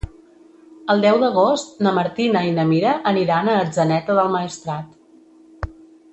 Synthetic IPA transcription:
əlˠd̪ɛwd̪əɣ̞ost̪̚nəməɾt̪inəinəmiɾəʔəniɾanəːd͡zənɛt̪əðəlˠməist̪ɾat̪

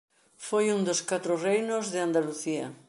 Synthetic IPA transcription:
fojund̪oskat̪ɾorejnozðeand̪aluθia

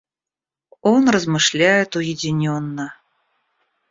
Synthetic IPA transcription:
onrəzmɨʂlʲæjɪt̪ujedʲɪnʲonːə

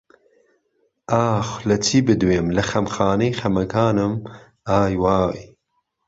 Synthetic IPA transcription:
aːxʷlɐt͡sʰiːbɨd̪weːmlɐxɐmxɑːnejxɐmɐkʰaːnɨm | aːjwaːj

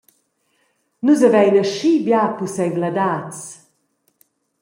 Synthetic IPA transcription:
nuzavɛjnəʃibjapusɛjɡlad̪at͡s

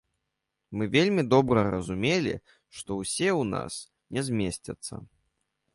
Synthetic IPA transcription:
mɨvʲelʲmʲid̪ɔbɾɐɾɐzumʲelʲḭ | ʂt̪ɔwsʲewna̰s | nʲɛzʲmʲesʲt͡sʲɐt̪sːɐ̰

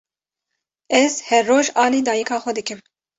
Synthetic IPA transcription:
ɛz̥hɛrːoːʒɑːliːd̪ɑːjɛkʰɑːxʷɛd̪ɨkɨm

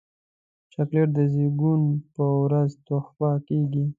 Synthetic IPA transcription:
t͡ʃakleɾd̪əziɡunpəwɾazt̪oxpɑkeɡi

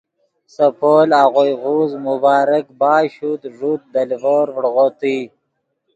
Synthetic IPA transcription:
səpʰoːlaɣojɣuzmubɑːɾəkbɑːɕut̪ʐut̪̚d̪alvoɾvɽɣot̪ij

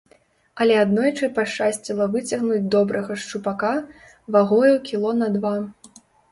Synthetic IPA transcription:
ɐlʲɛad̪nɔjt͡ʂɨpaʂt͡ʂasʲt͡sʲilˠɐvɨt͡sʲɐɣnud͡zʲd̪ɔbɾʔɐɣɐʂt͡ʂupaka | vaɣɔjukʲilˠɔnɐd̪va

